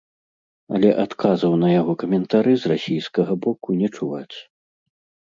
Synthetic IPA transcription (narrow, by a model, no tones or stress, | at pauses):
ɐlʲɛʔat̪kʰazɐwnɐjaɣɔkɐmʲɛnt̪aɾɨzrasʲijskɐɣɐbɔkunʲɛt͡ʂuvat͡sʲ